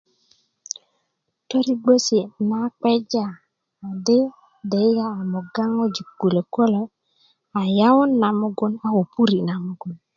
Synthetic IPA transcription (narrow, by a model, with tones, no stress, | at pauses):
to˦ɾi˦ɡ͡bo˦si˨na˦k͡pe˦d͡ʒaː˨ | de˦ | de˨i˦ɡa˦a˨mo˨ɡa˦ŋo˦d͡ʒi˨ɡ̥u˨le˨ko˦lo˦ | a˨ja˦wu˦nːa˨mu˦ɡu˦na˨wo˨pu˦ɾi˨na˨mu˨˦ɡu˨n